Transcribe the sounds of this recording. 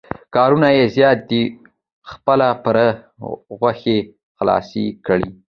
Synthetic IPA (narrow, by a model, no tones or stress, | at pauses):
kɑɾunajezjɑt̪̚d̪i | xpəlapəɾ | ɣwaxe | xlɑ̰sikɽi